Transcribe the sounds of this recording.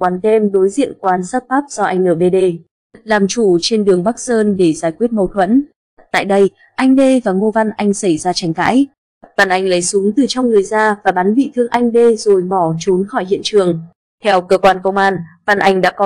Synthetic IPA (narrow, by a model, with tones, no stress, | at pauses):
waː˨˦nt̪ʰe˧mɗo˨˦jzḭ˧˨ənkwaː˨˧nsaː˦˥t̚t̪aː˦˥p̚z̥ɔ˧ʔa˧jŋ̟nəː˧˩ɓe˧ɗe˧ | laː˨˩mt͡ɕu˧˩t͡ɕe˧nɗɨ˨˩əŋɓa˦˥k̚səː˧nɗe˧˩zaː˧˩jkwi˦˥ət̚mə˨˩t̪ʰwə̰˧˥n | t̪a̰ː˧˨jɗə˧j | ʔa˧jŋ̟ɗe˧vaː˨˩ŋo˧va˧nʔa˧jŋ̟sa˧˩jzaː˧t͡ɕa˨˦jŋɣa̰ː˧˥j | va˨˧˩nʔa˨˩jŋ̟lə˨˦jsʊ˨˦ŋt̪ɨ˨˩t͡ɕɔ˧wŋ͡mŋɨ˨˩əjzaː˧vaː˨˩ɓaː˨˦nvḭ˧˨t̪ʰɨ˧əŋʔa˧jŋ̟ɗe˧zo˨˩jɓɔ˧˩t͡ɕu˨˦nxɔ˧˩jhḭ˧˨ənt͡ɕɨ˨˩əŋ | t̪ʰɛ˧wkəː˧kwaː˧nkə˧wŋ͡mʔaː˧nva˧˩nʔa˧jŋ̟ɗa̰ː˧˥kɔ˨˦